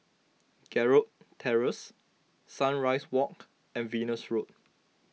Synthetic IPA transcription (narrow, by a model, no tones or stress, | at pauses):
ɡ̥ɛɹot̚tʰɛɹəsː | ãnɹaɪswɔk̚ | ɛ̃nvĩːnəsɹot̚